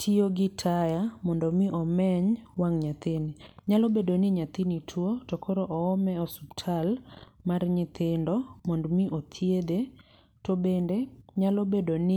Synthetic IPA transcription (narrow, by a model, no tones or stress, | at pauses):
tʰioɡɪtʰajamɔndɔmɪʔɔmɛɲwaŋɲat̪ɪniɲalɔbedonɪɲat̪initʰwotɔkʰɔɾɔʔɔːmɛɔsubtʰalmarɲɪt̪ɪndɔmɔndmiʔot̪ʰjed̪e | tobendeɲalobedonɪ